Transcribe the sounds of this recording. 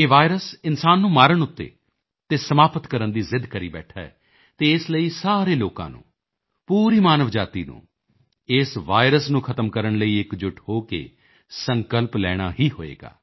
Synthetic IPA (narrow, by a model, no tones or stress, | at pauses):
eːʋaːɪɾəsɪnsaːnːũːmaːɾəɳ̃ʊt̪ːḛː | t̪eːsəmaːpət̪kəɾənd̪iːzɪd̪kəɾiːbɛ̰ːʈʰaːɛ̰ː | t̪eːɪsləiːsaːɾeːloːkã̰ːnṵ̃ː | puːɾiːmaːnəʋd͡ʒaːt̪ḭːnṵ̃ː | ɪsʋaːɪɾəsnũːkʰət̪əmkəɾəɳləiːɪkd͡ʒʊʈʰhoːkḛː | səŋkəlplɛːɽ̃aːɦiːɦo̰ːḛːɡa̰ː